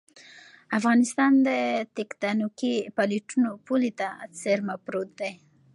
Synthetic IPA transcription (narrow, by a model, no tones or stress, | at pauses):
afɣɑnɪst̪ɑnd̪ət̪ɪkt̪ɑnokipaliʈunopulit̪at͡seɾmapɾot̪̚d̪aj